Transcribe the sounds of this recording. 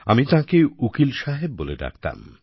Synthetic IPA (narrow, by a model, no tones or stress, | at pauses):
a̰mit̪ãkeukilʃaɦeb̚ːoled̪a̰k̚ʰt̪a̰m